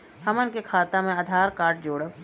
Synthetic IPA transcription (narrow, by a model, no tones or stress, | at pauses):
hɐmənkekʰaːt̪amẽɐd̪ʱaːɾkaːʈ̚d͡ʒoːɽə